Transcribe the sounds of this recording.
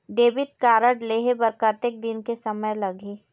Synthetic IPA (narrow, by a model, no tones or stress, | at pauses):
ɖeːbɪt̪̚kaːɾəɖleːɦebɐɾkət̪ek̚d̪ɪnkesɐməjlɐɡeː